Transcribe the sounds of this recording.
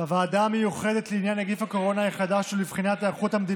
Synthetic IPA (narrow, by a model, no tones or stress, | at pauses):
avaːd̪amejuχed̪et̪leinjanaɡifhako̞ʁo̞naiχad̪aʃulivχinat̪aːχut̪hamd̪i